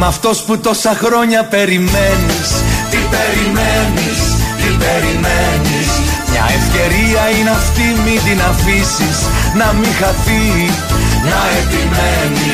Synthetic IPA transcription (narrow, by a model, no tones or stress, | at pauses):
mɐft̪o̞sput̪o̞sɐxɾo̞ɲɐpe̞ɾime̞nist̪ibe̞ɾimenist̪ibeɾimenismɲɐ̰e̞fce̞ɾiɐineɐft̪imid̪inɐfisis | nɐmixɐθi | nɐepimeni